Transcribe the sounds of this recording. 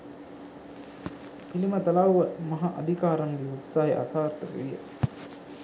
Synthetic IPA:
pilimət̪ɐlawʋəmɐɦaʔɐd̪ʱikaːɾaŋɡiut̪saːɦeʔa̰saːrt̪əkḛʋijə̰

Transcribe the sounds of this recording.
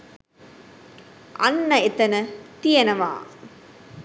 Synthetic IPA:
ʔɐ̰nːɐɪt̪ːɐnɐt̪ijɐnɐʋa̰ː

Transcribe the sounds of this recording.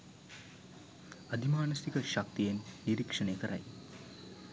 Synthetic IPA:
ɐd̪ʱimaːnɐsikəʃɐk̚t̪ijenːiɾikʂɐneːkəɾɐ̰j

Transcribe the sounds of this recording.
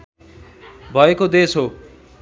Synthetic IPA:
bʱʌekod̪esɦo

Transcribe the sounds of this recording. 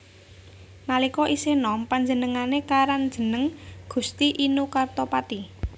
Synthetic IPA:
nalikɔʔisenɔmpaɲd͡ʒənəŋanekaɾand̥ʒ̥ə̤nəŋɡ̥ṳst̪iʔinukart̪ɔpat̪i

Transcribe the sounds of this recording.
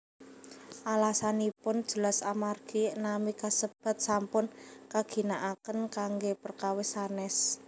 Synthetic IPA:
ʔalasanipʊn̥d͡ʒ̥ə̤lasamarɡ̥inamikasəb̥a̤t̪̚sampʊnkaɡ̥i̤naʔakənkaŋɡepərkawesanɛs

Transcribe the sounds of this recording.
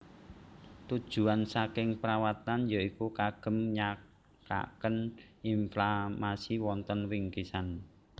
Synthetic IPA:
t̪ud̥ʒ̥ṳansakɪŋpəɾawat̪anjaikukaɡ̥ə̤mɲa | ka̰kəninflamasiwɔnt̪ənɾiŋkisan

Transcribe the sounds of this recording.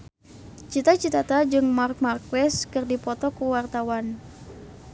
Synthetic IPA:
t͡ʃit̪at͡ʃit̪at̪ad͡ʒɨŋmark̚markwɛskɨrdipɔt̪ɔkuwart̪awan

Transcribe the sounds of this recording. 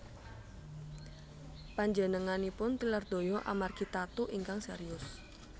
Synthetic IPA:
paɲd͡ʒənəŋanipʊnt̪ilard̪̥o̤jɔʔa̰markit̪at̪uʔiŋkaŋsḛɾiʊs

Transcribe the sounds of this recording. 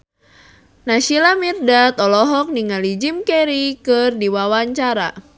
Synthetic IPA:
naʃilamirdat̪ɔlɔɦɔk̚niŋalid͡ʒimkɛɾikɨrdiwawaɲt͡ʃaɾa̰

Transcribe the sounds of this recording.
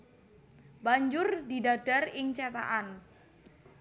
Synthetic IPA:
baɲd͡ʒʊrd̪idaɖ̥a̤rɪŋt͡ʃɛt̪a̰ʔan

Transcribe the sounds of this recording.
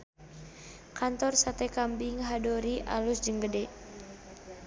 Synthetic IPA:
kant̪ɔrsat̪ɛkambiŋɦadɔɾiʔa̰lusd͡ʒəŋɡədɛ

